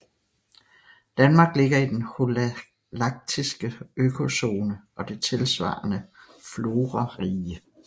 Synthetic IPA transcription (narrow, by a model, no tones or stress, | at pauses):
d̥ænmɑ̈ːɡ̥le̝ɡ̥ɐid̥enhol | lɑ̈ɡ̥̚d̥ʰisɡ̥əøkʰo̝so̝ːnəʔɒ̽d̥e̝t͡sʰe̝lsʋɑ̰̈ːnə | flo̝ːʁɑʁiːə